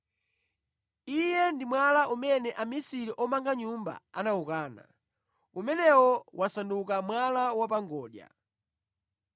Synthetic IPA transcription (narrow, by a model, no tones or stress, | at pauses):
ijɛndimwalaʔumɛnɛʔamisiɾiʔɔmaŋɡaɲumba̰anaukaːna̰ | umɛnɛwɔwasandukamwalawap̬aŋɡɔːɗja̰